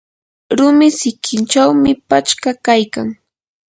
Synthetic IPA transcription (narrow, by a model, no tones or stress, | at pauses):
ɾʊmɪsɪkʰɪnt͡ʃawmɪpat͡ʃkakajkaŋ